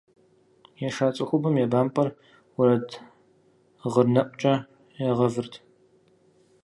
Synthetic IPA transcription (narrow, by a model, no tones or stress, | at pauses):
jɛʂaːt͡sʼɐxʷʊbɐmjɛbaːmpʼɐr | wʊɾɐd | ʁərnɐʔʷʼt͡ʃʼɐ | jɛʁɐvɨrtʰ